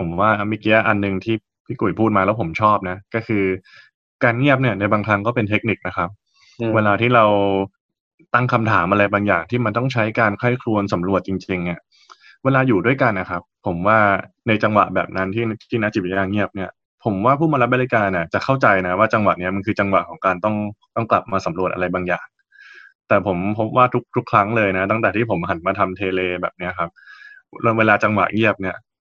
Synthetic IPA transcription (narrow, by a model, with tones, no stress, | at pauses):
pʰo˩˦mwaː˥˩mi˦˧˥ki˦˥a˦˥˩ʔa˧nːɯ˧ŋt̪ʰiː˥˩ | pʰiː˥˩ku˨˩jpʰuː˥˩maː˧lɛː˦˥wpʰo˩˦mt͡ɕʰɔː˥˩p̚na˦˥kɔː˥˩kʰɯː˧ | kaː˧nŋi˥˩əp̚ni˥˩ɐna˧jbaː˧ŋkʰa˦˥ŋkɔː˥˩pe˧nt̪ʰe˦˥k̚ni˨˩k̚na˦˥kʰa˦˥p̚ | weː˧laː˧t̪ʰiː˥˩ɾa˧w | t̪a˥˩ŋkʰa˧mt̪ʰaː˩˦mʔa˧ɾa˧jbaː˧ŋjaː˨˩ŋt̪ʰiː˥˩ma˧nt̪ɔ˥˩ŋt͡ɕʰa˦˥jkaː˧nkʰa˥˩jkʰlu˧ənsa˩˦mɾu˨˩ət̪̚t͡ɕi˧ŋt͡ɕi˧ŋni˧˥˩ɐ | weː˧laː˧juː˨˩du˥˩əjka˧nʔa˦˩kʰa˦˥pʰːo˩˦mwaː˥˩na˧jt͡ɕa˧ŋwa̰˨˩ʔbɛ̰ː˨˩p̚na˦˥nt̪ʰiː˥˩t̪ʰiː˥˩na˦˥t͡ɕi˨˩˨jaː˧˩ŋi˥˩əp̚ni˥˩ɐ | pʰo˩˦mwaː˥˩pʰuː˥˩maː˧ɾa˦˥p̚ba˧li˧˥kaː˧na˨˩t͡ɕa˨˩kʰa˥˩wt͡ɕa˧jna˦˥waː˥˩t͡ɕa˧ŋwa̰˨˩ʔni˦˥ɐma˧nkʰɯː˧t͡ɕa˧ŋwa˨˩ʔkʰɔː˩˦ŋkaː˧nt̪ɔ˥˩ŋt̪ɔ˥˩ŋkla˨˩p̚maː˧sa˩˦mɾu˨˩əʔa̰˧a˧jbaː˧ŋjaː˨˩ŋ | t̪ɛː˨˩pʰo˩˦mpʰo˦˥p̚waː˥˩t̪ʰu˦˥k̚t̪ʰu˦˥kʰɾa˦˥ŋlɤː˧jna˦˥t̪a˥˩ŋt̪ɛː˨˩iː˥˩pʰo˩˦mɦa˩˦nmaː˧t̪ʰa˧mt̪ʰeː˧leː˧bɛ̰ː˨˩p̚ni˦˥ɐkʰa˦˥p̚ | weː˧laː˧t͡ɕa˧ŋwa̰˨˩ʔŋi˥˩əp̚ni˥˩ɐ